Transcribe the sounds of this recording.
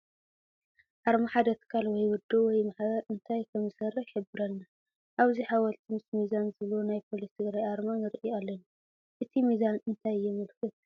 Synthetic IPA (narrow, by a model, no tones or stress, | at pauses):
ʔaɾmaħad̪ɐt̪ʰkʰalwɔjwʊd̪ːuwɔjmaħbɐɾʔɨnt̪ʰajkʰɐmzɨsɐrːɨħħɨbɨɾɐlna | ʔaβziħawɐlt̪ʰimɨsmizanzɨβlonajpʰo̞list̪ʰɨɡɾajʔaɾmanɨɾiʔialːɐna | ʔɨt̪ʰimizanɨnt̪ʰajːɪmɨlxɨt̪̚